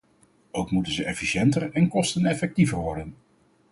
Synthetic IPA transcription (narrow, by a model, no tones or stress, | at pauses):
ʔowkmutənzəʔɛfiʃɛntərɛnkɔstənɛfɛk̚tivəɹʋɔɹdən